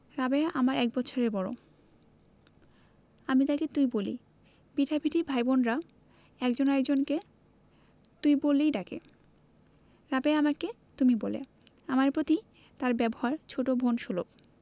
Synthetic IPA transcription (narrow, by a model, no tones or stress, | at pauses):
ɾabeaʔamaɾɛk̚bɔːt͡ɕʰoɾebɔɾo̰ | amit̪aket̪uibolḭ | biʈʰabʱiʈʰibʱajbonɾa | ɛkd͡ʑonaɛkd͡ʑonke | t̪uibolːejɖakḛ | ɾabeaamake | t̪umibolḛ | amaɾpɾot̪i | t̪aɾbɛboɦaɾt͡ɕʰoʈobʱonʃulob̚